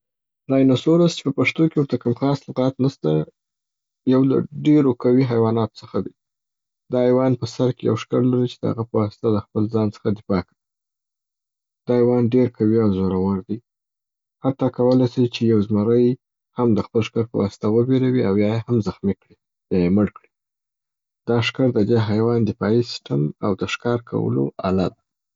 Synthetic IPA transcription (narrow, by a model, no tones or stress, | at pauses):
d̪ɑjenasoɾast͡ʃe̥pəpaʂt̪okewəɾt̪akamxɑslʊqɑt̪nast̪a | jawla̰ɖeɾokawiɦajwɑnɑt̪o̥t͡səxad̪i | d̪̥ɑajwɑnpəsaɾkeja̰wʂkaɾlaɾit͡ʃe̥d̪ə̰ha̰ɣapəwɑsɪ̥t̪aləxpəlzɑnt͡sə̥xad̪ɪfɑkawi | d̪̥ɑhjwɑnɖeɾkʰawiawzoɾawaɾd̪i | hat̪ɑkawəlajsit͡ʃejawzmaɾəj | hamd̪əxpəlʃkaɾpə̰wɑ̰sɪ̥t̪awəbeɾawiawjɑjehamzaxmikɽi | jɑjeməɽkɽi | d̪̥ɑʂkaɾd̪əd̪eɦajwɑnd̪ɪfɑisɪ̥stamawd̪əʃkɑɾkʰa̰wə̰lo̰ʔa̰lad̪a